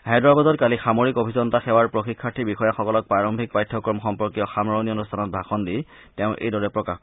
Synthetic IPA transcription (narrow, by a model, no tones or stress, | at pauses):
ɦajdɹabazɔtkalixamoɹikobʱizɔntaxɛwaɹpɹoxikʰːaɹtʰibixɔjaxɔkɔlɔk̚paɹɔmbʱik̚pajtʰːɔkɔɹmɔxɔmpɔɹkijɔxamɹɔnionustʰanɔt̚bʱaxɔndi | tɛʊ̃ʔḛjdɔɹɛpɹɔkax